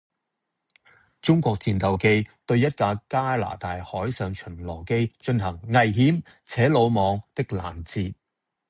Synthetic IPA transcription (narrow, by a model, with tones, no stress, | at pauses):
t͡ʃʊ˥ŋkʷɔː˧k̚t͡siː˨nt̪ɐ˨wke˧jt̪ɵ˧ɥjɐ˥t̚kaː˧kaː˥la̰ː˨˩t̪aː˨jhɔː˨˥jsœː˨˧ŋt͡ʃʰɵ˨˩nlɔː˨˩ke˥jt͡ʃɵ˧nhɐ˨˩ŋːɐ˨jɦiː˨˥mt͡sʰɛː˨˥lo˨˧wmɔː˨˧ŋt̪ɪ˥k̚la̰ː˨˩nt͡siː˧t̚